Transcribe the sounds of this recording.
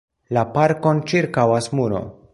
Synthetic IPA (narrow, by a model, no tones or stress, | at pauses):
lapaɾko̞nt͡ʃiɾkawasmuɾo̞̰